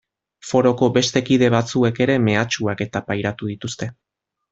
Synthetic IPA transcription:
fo̞ɾo̞ko̞be̞st̪e̞kiðe̞βat͡sue̞ke̞ɾe̞me̞at͡ʃuake̞t̪apajɾat̪uð̞it̪ust̪e̞

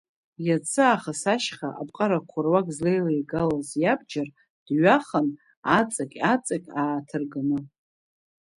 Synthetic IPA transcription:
jat͡sʰɨaχasaʃχaʔabʼqʼaɾakʷʰʊrwakʼzle̞jlajɡalazjabd͡ʒar | d̥ɥaχan | at͡sʼakʲʼat͡sʼakʲʼaːtʰɨrɡɨnɨ

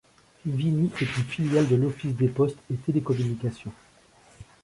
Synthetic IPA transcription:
viniʔɛt̪ynfiljald̪əlɔfisd̪epɔst̪et̪elekɔmynikʲasjɔ̃

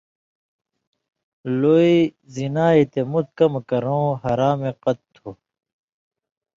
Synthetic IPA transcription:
loːi | zinaːit̪emut̪̚kɐmkɐɾõːɦɐɾaːmeqʌt̪̚ːʰu

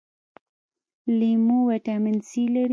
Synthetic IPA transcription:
limuwaʈamɪnsilaɾ

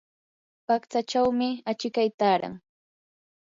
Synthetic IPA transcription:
pakt͡sat͡ʃawmɪat͡ʃɪkajt̪aːɾa̰ŋ

